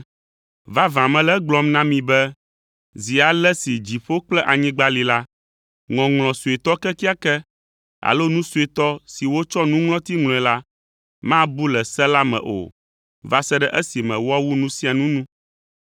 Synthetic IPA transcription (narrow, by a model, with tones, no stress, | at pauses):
va˦vã˨mɛ̃˨lɛ˦ɡ͡blɔ˦mnã˦mĩ˨bɛ˦ | zi˨a˨lɛ˦si˨d͡ʑi˨ɸo˦k͡plɛ˦ʔa˨ɲĩ˦ɡ͡ba˦li˨la˦ | ŋɔ̃˨ŋlɔ̃˨su˨ɛ˨t̪ɔ˦kɛ˦ki˦a˦kɛ˦ | a̰˨lo˦nũ˦su˨ɛ˨t̪ɔ˦si˨wo˦t͡ʃɔ˦nũ˦ŋlɔ̃˦t̪i˦ŋl̃ɔ̃˨ɛ˨la˦ | mã˦bu˦lɛ˨sɛ˦la˦mɛ̰̃˨ʔo̰˨ | va˦sɛ˦ɖɛ˦ʔɛ˦si˨mɛ̃˨wɔ˦wu˦nũ˦si˦a˨nũ˦nũ˦